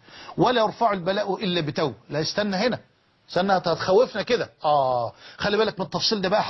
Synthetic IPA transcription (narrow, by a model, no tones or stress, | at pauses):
wælæjɑɾˤfɑʕelbælæʔwʔɪlːæbɪt̪æwlæjɪst̪ænːæhenæ | st̪ænːæt̪hæt̪xæwːefnæked̪æʔæːxælːibæːlækmenet̪ːɑfsˤiːld̪æːbæʔæħ